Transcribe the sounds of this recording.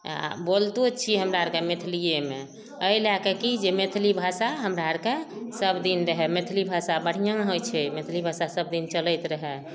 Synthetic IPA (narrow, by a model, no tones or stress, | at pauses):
a̰bolt̪ut͡ʃʰiɦəmɾaəɾkemet̪ʰlijeme | əjlakekid͡ʒemet̪ʰlibʱasaɦəmɾaəɾkesəbd̪inɾəɦɛmet̪ʰlibʱasabəɽ̤ijãɦojt͡ʃʰɛmet̪ʰlibʱasasəb̚d̪int͡ʃələjt̪ɾəɦɛ